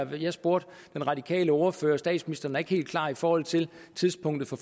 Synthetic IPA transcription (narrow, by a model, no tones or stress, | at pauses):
jɑsb̥o̝ɐ̰d̥ | d̥enʁɑ̈d̥ikʰɛ̰ːləɒːɐfø̰ːɐsd̥ɛ̰ːd̥sminisd̥ɐn̩æɐe̝ɡ̥he̝̰ːld̥̚kʰl̥ɑ̰̈ːifɒːhɒ̽l̰t͡sʰe̝lt͡sʰiðˠspʰɔ̽ŋ̰d̥ð̩ˠfɒ̽f